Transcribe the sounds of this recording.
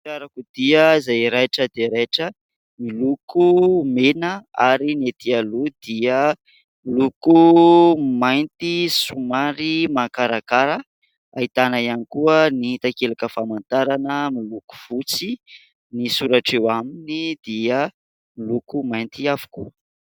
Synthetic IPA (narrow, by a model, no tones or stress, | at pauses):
aɾakud̪iəzajɾajʈ͡ʂəd̪eɾejʈ͡ʂə | milukʰumenəaɾinet̪ialud̪̥iə | miluku | majnt̪isumaɾimakaɾakaɾə | ait̪anaianikuəniit̪akelakəfamant̪aɾanəmiluku̥v̥ut͡si | nisuɾaʈ͡ʂewaminid̪̥iə | milukumajnt̪iavu̥kuə